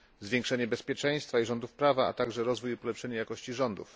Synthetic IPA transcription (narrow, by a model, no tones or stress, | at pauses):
zvʲjɛ̃ŋkʂɛɲɛbɛspʲjɛt͡ʂɛ̃j̃st̪faiʐɔnd̪ufpɾavaa̰t̪aɡʐɛɾɔzvujupɔlɛpʂɛɲajakɔɕt͡ɕiʐɔnd̪ṵf